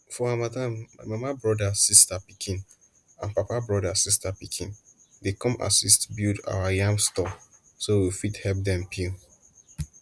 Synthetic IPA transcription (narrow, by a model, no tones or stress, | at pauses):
fɔamadãmamamabɹɔdasistapikʰĩn | ã̰npapabɹɔdasistapikʰḭ̃n | dekɔ̃mʔa̰sistbilda̰wajãmstɔ | sowifithɛlp̚dɛ̃mpʰil